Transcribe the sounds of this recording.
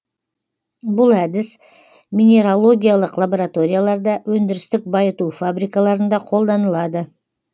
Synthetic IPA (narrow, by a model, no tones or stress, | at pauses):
bʊlˠæd̪ɪs | mʲinʲe̞ɾolˠo̞ɡʲijalˠəqlˠaboɾat̪o̞ɾʲijalˠɑɾd̪ɑwɵnd̪ɪɾɪst̪ɪk̚bɑjət̪ufabɾijkalˠɑɾənd̪ɑqʰo̞lˠd̪ɑnəlˠɑd̪ə